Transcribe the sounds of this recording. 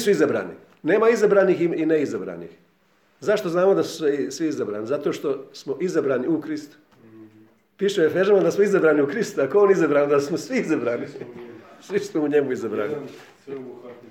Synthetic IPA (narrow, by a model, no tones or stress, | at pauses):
suizabɾa̰ːnḭ | ne̞ːmaizabɾaːniːxiineizabɾa̰ːnḭːx | zaʃt̪o̞znaːmo̞d̪asu̥sesʋiizabɾa̰ːnizat̪oʃt̪o̞smoʔizabɾaːniukɾist̪u̥ | piːʃujefeʒamad̪asmoizabɾaːniukɾist̪uakoonizabɾaːnd̪asmosʋiizabɾaːni | sʋismouɲemuizabɾa̰ːni